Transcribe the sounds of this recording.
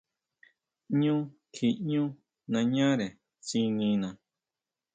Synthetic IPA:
ɲũ˦ | kʰi˧ɲũ˦ | nã˧ɲã˦ɾe˨ | t͡si˧nĩ˧nã˨

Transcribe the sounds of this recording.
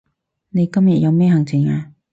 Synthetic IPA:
ne˨˧jkɐ˥mjɐ˨t̚jɐ˨˧wmɛː˥hɐ˨˩ŋt͡sʰɪ˨˩ŋaː˧

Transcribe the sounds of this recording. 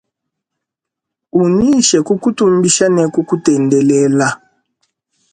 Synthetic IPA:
u˨ni˦ʃɛ˨ku˦ku˦tu˦m˦bi˦ʃa˦nɛ˦ku˦ku˦tɛ˨ndɛ˨lɛ˦la˦

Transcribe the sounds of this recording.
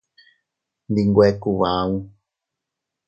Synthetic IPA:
nd̪i˧ŋɡʷe˧ku˧ʋa˨˦ũ˧

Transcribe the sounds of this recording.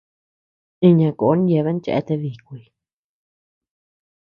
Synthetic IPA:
ĩ˧ɲã˧˨ko˨o˦nje˧βe˦n˦t͡ʃḛ˧e˧t̪e˧βi˨kʷi˧i˧

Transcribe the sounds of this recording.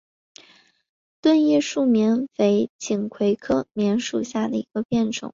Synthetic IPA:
t̪wə˥˧njɛ˥˧ʂu˥˩mjɛ˧˥nfe˧˥ɪt͡ɕi˨˩ŋkʰwe˧˥ɪkʰɤ˥˩mjɛ˧˥nʂu˨˩ɕja˥˩d̪ə˩i˧˥ɡə˧pjɛ˥˩nʈ͡ʂʰʊ̰˨˩˦ŋ

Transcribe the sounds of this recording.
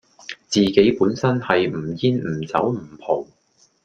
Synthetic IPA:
t͡siː˨˧ke˨˥jpuː˨˥nsɐ˥nhɐ˨jm̩˨˩jiː˥nm̩˨˩t͡sɐ˨˥wm̩˨˩pʰo˨˩w

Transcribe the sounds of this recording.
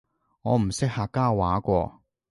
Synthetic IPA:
ŋɔː˨˧m̩˨˩sɪ˥k̚haː˧kːaː˥wa̰ː˨˥kʷɔː˧

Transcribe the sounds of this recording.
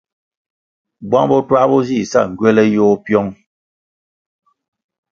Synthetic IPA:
bwa˦ŋbɔ˦twa˦bɔ˦zi˦˨sa̰˦˨ŋ̩˨ɡɥɛ˦lɛ˦jo˦pjɔ˦ŋ

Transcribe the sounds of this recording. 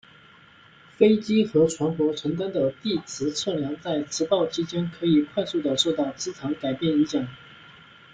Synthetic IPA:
fe˥ɪt͡ɕi˥xɤ˧˥ʈ͡ʂʰwa˧˥nkwɔ˧˥ʈ͡ʂʰə˧˥ŋt̪a˥nd̪ə˨t̪i˥˩t͡sʰɹ̩˧˥ʈ͡ʂʰɤ˥˩ljɑ˧˥ŋt͡sa˥˩ɪʈ͡ʂʰɻ̩˧˥pɑ˥˩ʊt͡ɕʰi˥t͡ɕjɛ˥nkʰɤ˧˥i˨˩kʰwa˥˧ɪsu˥˩d̪ə˩ʂo˥˧ʊt̪ɑ˥˩ʊt͡sɹ̩˥t͡sʰɑ˧˥ŋka˨˩ɪpjɛ˥˩ni˧˥t͡ɕjɑ˨˩˦ŋ

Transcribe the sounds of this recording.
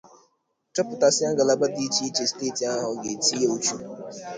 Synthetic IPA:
t͡ʃɔ˦pʊ˨ta˨sɪ˦a˦ɡa˨la˨ba˦di˦t͡ʃi˦i˦t͡ʃe˨si̥˨teː˦˨ti˨a˦ɦʊ˨ɡe˨ti˦e˦u˦t͡ʃu˦

